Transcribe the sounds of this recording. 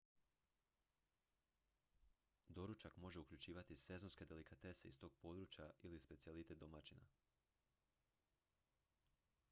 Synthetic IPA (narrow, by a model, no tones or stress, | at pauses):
d̪o̞ɾut͡ʃakmo̞ʒe̞ukʎʲut͡ʃiːʋat̪ise̞zo̞nske̞d̪e̞likat̪e̞se̞ḭst̪o̞ːɡ̥̚po̞ːd̪ɾuːt͡ʃjailispet̪sijelit̪e̞t̪d̪omat͡ʃina̰